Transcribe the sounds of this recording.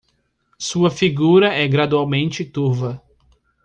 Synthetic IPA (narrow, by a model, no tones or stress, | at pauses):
suɐfiɡuɾɐɛɡɾad̪uawmẽnt͡ʃɪt̪uɾvɐ